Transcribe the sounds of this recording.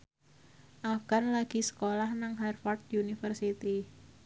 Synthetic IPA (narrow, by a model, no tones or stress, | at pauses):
ʔafɡ̥anlaɡ̥i̤sə̥kolahnaŋɦɛrfɔrt̪̚unifərsit̪i